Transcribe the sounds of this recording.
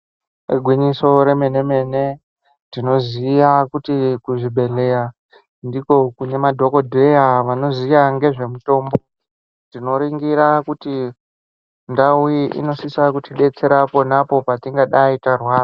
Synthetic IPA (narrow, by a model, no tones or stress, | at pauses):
ɡʱwiɲiso̞ɾe̞me̞ne̞me̞ne̞ | tino̞zijakutikuʐiɓʱe̞ɮe̞ja | ndiko̞kune̞madʱo̞ko̞dʱe̞jaʋano̞zijaŋɡe̞ʐe̞muto̞ːmbo̞ | dino̞ɾiŋɡiɾakuti | ndauiʔḭno̞sisakutiɗe̞t͡se̞ɾapo̞napo̞patiŋɡaɗaitarwaːra